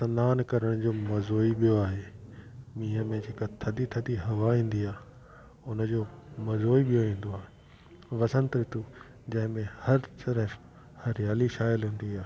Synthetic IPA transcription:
sɐnaːnkɐɾəɽ̃d͡ʑoːmɐzoːiɓijoaːɦeːmĩːɦəmẽd͡ʑeːkat̪ʰɐd̪it̪ʰɐd̪iɦɐʋaĩːn̆d̪iaː | ʊnəd͡ʑoːmɐzoːiɓijoĩːn̆d̪oaːɦe | ʋɐsə̃nt̪ɾɪt̪u | d͡ʑɐ̃ɦɪ̃mẽhɐɾt̪ɐɾəf | hɐɾjaːliʃaːjɪlɦũːn̆d̪iaːe

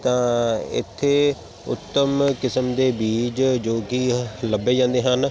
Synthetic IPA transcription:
t̪ãɪ̰t̪ʰːe | ʊ̰t̪ːəmkɪsəmd̪eːbiːd͡ʒd͡ʒoːkiləbed͡ʒãːnd̪eɦən

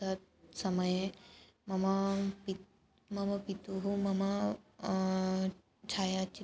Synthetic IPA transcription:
ɐt̪̚ | sɐmɐje | mɐmɐpi | mɐmɐpit̪uɦumɐmɐ | t͡ʃʰaːjat͡ʃi

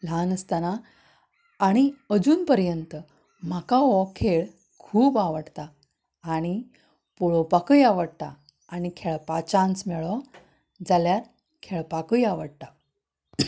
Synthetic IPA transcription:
l̤anəst̪anaː | ɽ̃iəd͡zuːnpəɾjənt̪ə | m̤akaʋɔkʰeɭ | kʰuːbaʋəɽt̪aː | ɽ̃i | puɭɔpakəjaʋəɽt̪a̰ː | ɽ̃ikʰeɭpat͡ɕãnsmɛɭɔ | d͡zaljat̪ | kʰeɭpakəjaʋəɽt̪a

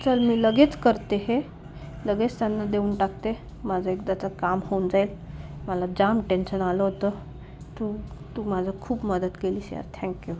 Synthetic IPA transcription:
t͡səlmiːləɡet͡skəɾt̪eɦe | ləɡet͡st̪janːad̪euːnʈakt̪e | mad͡zʱaekd̪at͡sakamhond͡zail | məlad͡ʑamʈenɕənaləɦot̪ə | t̪ut̪uːmad͡zʱakʰuːpməd̪ət̪keliːsja̰ɾt̪ʰɛ̃ŋkju

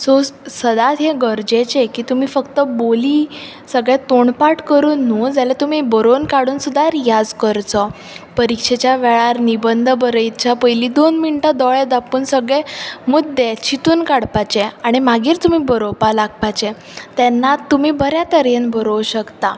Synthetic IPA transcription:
sosəd̪at̪ɦeɡəɾd͡ʑet͡ɕekiːt̪um̤iːfəkt̪əboliː | səɡɭet̪oɳpaʈkəɾuːnːud͡zalat̪um̤ibəɾonkaɽuːnsud̪ʱaɾjad͡zkəɾt͡sɔ | pəɾikɕet͡ɕjaʋɛɭaɾnibənd̪ʱəbəɾəjt͡ɕapəjliːd̪onmiɳʈad̪ɔɭɛd̪apuːnsəɡɭɛmud̪̚d̪et͡ɕit̪uːnkaɽpat͡ɕeaɽ̃imaɡiːɾt̪um̤iːbəɾopalaɡ̚pat͡ɕe | t̪ɛnːat̪ːum̤iːbʱəɾjat̪əɾenbʱəɾowɕəkt̪a

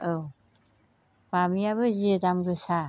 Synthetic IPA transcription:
ow | pamijaβɯziedamɡɯsa

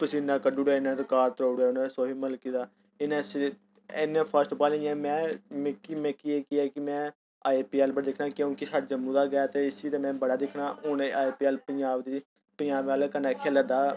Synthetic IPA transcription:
pəsiːnãːkəɖuːɽɛːɪnãːɾɪkaːɾt̪ɾoːɽɛːʊnãːsoːɦiːməlkiːd̪aː | ɪnãːs | enãːpʰəɾsʈpaːlĩjɛ̃ːmɛ̃ːmːkimɛ̃ːkɪɛːkɪɛːkɪmɛ̃ː | aːeːpiːɛːlbəɽaːd̪ɪkʰnaːkeʊ̃kisaːɖd͡ʒəmːũːd̪aːɡəaːt̪eːɪsiːt̪eːmɛ̃ːbəɽaːd̪ɪkʰnaːʊneaːeːpiːɛːlpəɲd͡ʒaːbd̪iː | pəɲd͡ʒaːbaːlkənɛːkʰeːlad̪aː

